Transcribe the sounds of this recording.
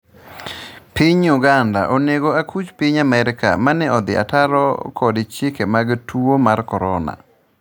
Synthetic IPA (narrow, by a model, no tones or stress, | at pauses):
piɲʊɡanda̰ʔoneɡoakʰut͡ʃpiɲamɛɾɪka̰manɛɔd̪ɪ̰a̰taɾɔ̰kʰɔdt͡ʃjekemaɡtʰuomarkɔɾɔna̰